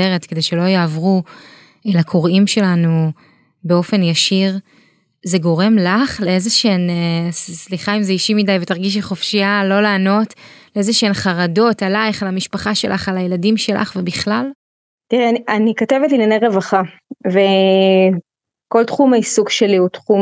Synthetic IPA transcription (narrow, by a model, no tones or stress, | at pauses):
eʁetke̞de̞jʃe̞lo̞jaːvʁu | elakʰoʁimʃe̞lanu | beo̞fe̞njaʃiʁ | zeɡo̞ʁe̞mlaχleezeʃeenssliχaimzeiʃimidajve̞taʁɡiʃ̬eχofʃialo̞laːno̞tleezeʃeenχaʁado̞talaiχalamiʃpaχaʃe̞lʔa̰χalajeladimʃe̞lʔa̰χvebiχlal | tiʁeanianikotevetlinanejʁevaχa | ve | ko̞ltχumaisuɡʃeliutχu